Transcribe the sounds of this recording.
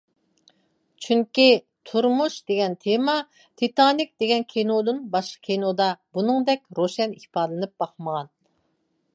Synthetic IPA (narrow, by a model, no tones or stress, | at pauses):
t͡ʃʰyŋkʲi | t̪ʰuɾmuʃd̪eɡʲɛnt̪ʰemɑ | t̪ʰit̪ɑnik̚ʲd̪̥eɡʲɛnkʲʰenod̪ɨnbɑʃqə̥kʲʰenod̪ɑbunɨŋd̪ɛkʲɾoʃɛnihpɑːd̪lˠɨnɨp̚bɑχməʁɑn